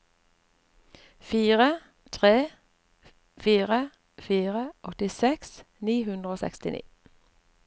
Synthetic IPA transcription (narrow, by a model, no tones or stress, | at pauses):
fiːʁə | t̪ʰʁeː | fiːʁə | fiːʁəʔɔt̪ɪsɛks | niːhʉnd̪ʁəoːsɛ̰kst̪ɪnʔḭː